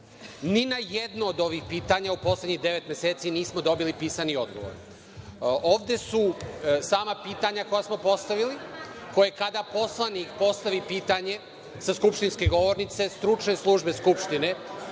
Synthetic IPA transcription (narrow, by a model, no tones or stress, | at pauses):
ninajed̪noːd̪o̞ʋixpiːt̪aɲaupo̞sle̞d̪ɲiɣd̪e̞ʋe̞t̪mje̞seːt̪siniːsmo̞d̪o̞bilipiːsanio̞̰d̪ɡoʋo̰ɾ | ʔo̞ːʋd̪e̞susaːmapiːt̪aɲako̞jasmo̞po̞st̪aʋili | ko̞jekad̪apo̞slˠanikpo̞st̪aʋipiːt̪aɲe̞ | saskupʃt̪inske̞ɡo̞ʋo̞ɾnit̪se̞st̪ɾut͡ʃne̞slˠuʒbe̞skupʃt̪ine̞